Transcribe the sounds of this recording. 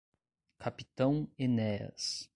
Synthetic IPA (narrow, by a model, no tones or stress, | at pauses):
kʰapit̪ɐ̃w̃enɛɐ̰s